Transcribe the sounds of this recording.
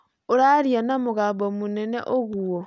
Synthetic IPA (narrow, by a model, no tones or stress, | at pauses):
oɾaɾianamoɣaːbomonɛnɛ̰ʔoɣwo